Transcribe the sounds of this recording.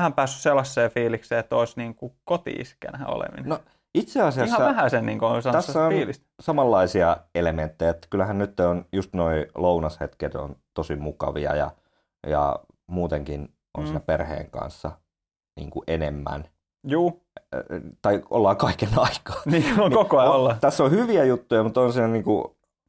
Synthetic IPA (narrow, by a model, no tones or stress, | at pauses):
hæmpæːsːysselːɑsːeːfiːlikseːt̪oisniːŋkukot̪ḭʔḭskæ̰nhæ̰o̰lḛmʋḭnno | it̪seɑsiɑihɑːʋæhæsenniːŋkoosɑnæsːæoiːlist̪sɑmɑlːɑisiɑelement̪ːejæet̪ːæ̥kylːæhænnyt̪ːeonjust̪noilounɑshet̪ket̪o̰nt̪osimukɑʋiɑ̰jɑ̰ | jɑ̰ | muːt̪eŋkin | o̰nsiːnæperhḛːŋkɑ̰nsːɑ | nḭːŋkuʔenemːæ̰n | juː | t̪ɑio̰lːɑːkɑikenɑikɑ̥ːniːonikokoolːɑt̪æsːohyʋiæjut̪ːujɑmut̪onsiːnæniːŋkṵ